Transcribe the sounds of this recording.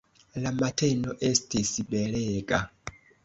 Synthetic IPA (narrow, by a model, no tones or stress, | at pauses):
lamatʰɛnɔʔestʰisiɓɛɺɛːkʼa